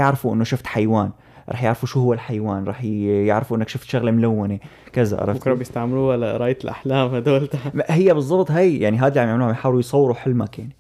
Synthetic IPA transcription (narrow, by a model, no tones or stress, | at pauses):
jɪʕɾɪfuʔɪ̰nːoʃɪft̪ħajwaːn | ɾˤʔɑ̰ːħjɪʕɾfuʃuːhʊwːalħajwaːnɾˤɑːħjɪʕɾɪfuʔɪnːakʃɪft̪ʃaɣlemlawːɪne | kɪza̰ʔɑ̰ɾˤɑ̰kɾˤɑbjɪst̪aʕmɪluːalaɾˤɑːʔjt̪ɪlʔa̰ħlaːmhad̪oːlt̪ahɪjːabɨzˤːɑbt̪ˤhajjaʕniɦaːd̪iʕamjaʕmluːhamajħaːwlujsˤɑwːɪɾuħɪlmakjaʕni